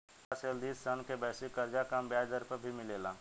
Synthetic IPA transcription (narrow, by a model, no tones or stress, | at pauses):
aseld̪iːssənkebɛːsikəɾd͡ʒakambjaːd̪əɾpəɾbʱimɪleːla